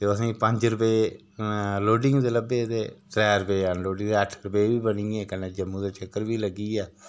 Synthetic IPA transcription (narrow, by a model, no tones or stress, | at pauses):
t̪eəsĩːpəɲd͡ʒɾəpeː | loːɖɪŋɡd̪eːləbeːt̪eːʈɾɛːɾəpeːanloːɖɪ̃ŋɡd̪eːəʈʰɾəpeːʋiːbəniːẽːkənːeːd͡ʒəmːũːd̪eːt͡ʃʰəkːəɾʋiːləɡiːɛː